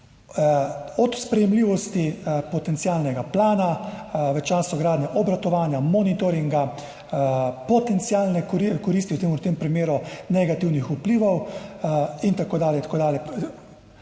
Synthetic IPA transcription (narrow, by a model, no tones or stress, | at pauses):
ɔt̪spɾɛjɛmliːʋɔst̪ipɔt̪ɛnt̪siaːlnɛɡaplaːnaʋət͡ʃaːsɔɡɾaːd̪nɛʔɔbɾat̪ɔʋaːnjamɔnit̪ɔɾiŋɡa | pɔt̪ɛnt̪siaːlnɛkikɔɾist̪iwt̪eːmuɾt̪eːmpɾimjeːɾunɛɡat̪iːwnixupliːʋɔw | int̪akoːd̪aːljɛt̪akoːd̪aːljɛ